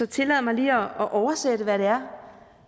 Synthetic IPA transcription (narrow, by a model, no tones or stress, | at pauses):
ɒ̽t͡sʰe̝lɛðˠɐmɑ̈ɪliːɒɒʔɒʊɐsed̥əʋæɾ̥e̝æɐ